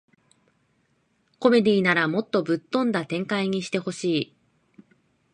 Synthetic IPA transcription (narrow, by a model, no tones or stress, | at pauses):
ko̞me̞d̪ʲiːnaɾamo̞t̪ːo̞bɯ̟t̪ːõ̞nd̪at̪ẽ̞ŋkaiɲ̟iɕi̥t̪e̞ho̞ɕiː